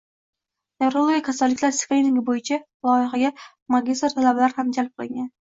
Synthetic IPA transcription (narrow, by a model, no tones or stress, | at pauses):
neɾolˠɡʲakʰasalːɪkʲlaɾsklinɪŋɡʲbojɪt͡ʃʰa | lˠɒjɪχɑɡʲa | maɡʲist̪ɾt̪ʰalabalaɾɪhamd͡ʒalˠp̚qʰɨlˠɪŋɡʲan